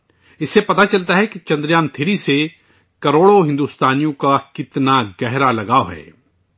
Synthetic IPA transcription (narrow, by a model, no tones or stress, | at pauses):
ɪsːepɐt̪at͡ʃɐlt̪aɦɛkit͡ʃɐ̃nd̪ɾjaːmt̪ʰeːɾise | kɐɾoːɽoɦɪ̃nd̪uːst̪aːnijõkakɪt̪naɡɛɦɾalɐɡaːoɦɛ̰ː